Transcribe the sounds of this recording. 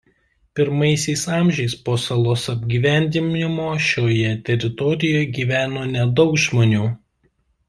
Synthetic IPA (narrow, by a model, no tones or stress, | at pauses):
pʲɪɾmɐɪsʲɛɪsɑːmʲʒʲɛɪspoːsɐlˠoːsɐbʲɡʲiːʋʲæˑnʲd̪ʲɪmʲɪmoːʃʲoːjɛt̪ʲɛɾʲɪt̪ɔɾʲɪjoːjɡʲiːʋʲæːnoːnʲɛd̪ɒʊkʒmoːnʲuː